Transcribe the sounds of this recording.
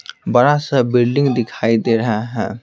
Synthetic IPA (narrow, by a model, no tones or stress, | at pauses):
bɐɽasəbɪlɖɪ̃ŋɡd̪ɪkʰaːid̪eːɾɐɦaɦɛ̰̃ː